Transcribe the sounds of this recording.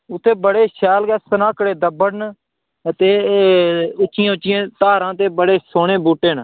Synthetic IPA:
ʊt̪ʰːeːbəɽeːʃɛːlkɛːsənãːkɽeːd̪əbəɽn | t̪eː | ʊt͡ʃːɪjãːʊt͡ʃːɪjãːt̪aːɾãːt̪eːbəɽeːsoːɳeːbuːʈːeːn

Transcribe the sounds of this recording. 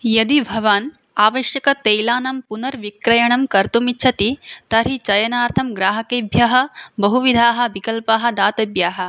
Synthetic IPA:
jɐd̪ibʱɐʋaːn | aːʋɐʃjɐkɐt̪ejlaːnɐmpunɐɾʋikɾɐjɐɳɐmkɐɾt̪umitːʃʰɐt̪it̪ɐɾit͡ʃɐjɐnaːɾt̪ʰɐmɡɾaːɦɐkeːbʱjɐɦɐ̆bɐɦuʋid̪ʱaːɦɐ̆ʋikɐlpaːɦɐ̆d̪aːt̪ɐbjaːɦɐ̆

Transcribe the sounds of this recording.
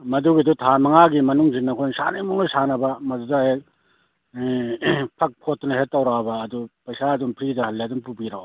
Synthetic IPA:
mɐduɡidutʰamɐŋaɡimɐnuŋzinːɐkʰojnsa̰najmuŋnɐsanɐbɐmɐdudahe | pʰɐk̚pʰotːnɐhet̚ːawɾabɐːdupɐjsaːdumpʰɾidɐhɐlːadumpubiɾaw

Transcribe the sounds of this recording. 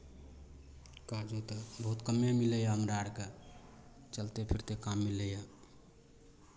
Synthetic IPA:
kad͡ʒot̪əbəɦut̪kəmemiləjaɦəmɾaɽke | t͡ʃəlt̪epʰiɾt̪ekamːiləja

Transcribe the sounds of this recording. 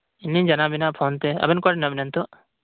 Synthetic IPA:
inːiɲd͡ʒanabinapʰont̪ɛɐ̰bɛnkɔʈɛnabinant̪ɔʔ

